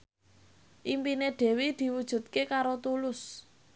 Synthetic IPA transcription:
ʔimpineɖ̥e̤wid̪̥i̤wud̥ʒ̥ṳt̪̚kekaɾot̪ulʊs

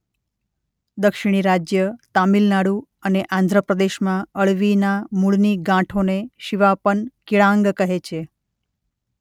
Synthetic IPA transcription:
d̪əkʃiɽ̃iɾad͡ʒjət̪amilnaɽu | əneʔãnd̪ʱɾəpɾəd̪eʃmãəɭʋinamuɭniɡãʈʰoneʃiʋapəɳkiɭãŋɡkəɦet͡ʃʰe

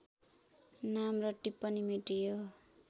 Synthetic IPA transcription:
namrʌʈːipːʌnimiʈijo

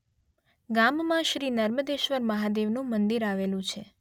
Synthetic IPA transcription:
ɡammãʃɾinəɾməd̪eʃʋəɾməɦad̪eʋnũmənd̪iɾaʋelũt͡ʃʰe

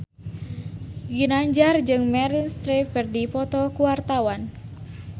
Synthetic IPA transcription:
ɡinaɲd͡ʒard͡ʒɨŋmɛɾinst̪ɾipərdipɔt̪ɔkuwart̪awan

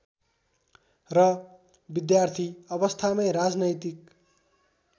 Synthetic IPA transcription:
rʌ | bid̪jart̪ʰiʌbʌst̪ʰamʌjɾad͡znʌjt̪ik̚

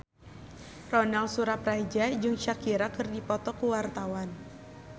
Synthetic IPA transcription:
rɔnalsuɾaprad͡ʒad͡ʒʊŋt͡ʃakiɾakɨrdipɔt̪ɔkuwart̪awan

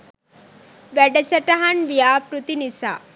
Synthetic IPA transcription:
ʋɛɖɐsɐʈaɦanʋijaːkɾut̪inisa

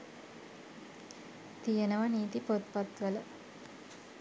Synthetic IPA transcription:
t̪ijɐnɐʋɐniːt̪ipot̪̚pɐt̪ʋɐlɐ

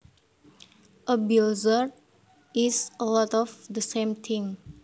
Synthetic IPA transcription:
ʔəbiozəɹ | isəlɔtɔfd̪əsẽmt̪ʰɪ̃ŋ

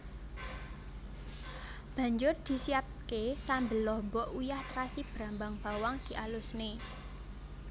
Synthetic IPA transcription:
b̥ä̤ɲd͡ʒʊrd̪̥i̤siap̚kesambə̤lɔhmbɔʔujaht̪ɾasib̥ɾa̤mbaŋb̥a̤waŋd̪̥i̤ʔalʊsne

